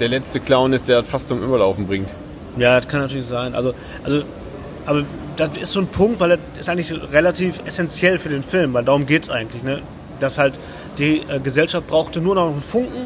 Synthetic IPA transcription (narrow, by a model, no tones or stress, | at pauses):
d̥eːɐlɛt͡stəkʰl̥aʊnɪstd̥eːɐatfastt͡sʊmʔyːbɐlaʊfn̩bʁɪŋt | jaːdaskʰanːatʰyɐlɪçz̥aɪnʔa̰lzo | ʔalzo | ʔaːbɐ | d̥aɪ̰stz̥oːnpʰʊŋktv̥aɪleɐɪstʔaɪŋtlɪçʁelatʰiːfɛsɛnt͡sjɛlfyːɐdeːnfɪlmvaɪldaʁʊmɡeːtə̥sʔaɪɡŋ̩tlɪçnə | d̥ashalt | d̥iːʔɛːɡəzɛlʃaft̚b̥ʁaʊxtənuːɐnɔχnɔnfʊŋkŋ̩